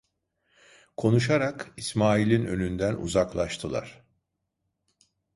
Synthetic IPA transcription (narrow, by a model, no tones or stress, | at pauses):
kʰo̞nuʃaɾakismaːilʲinø̞nynd̪ænṵzaklˠaʃt̪ʰɯlˠa̰ɾ̥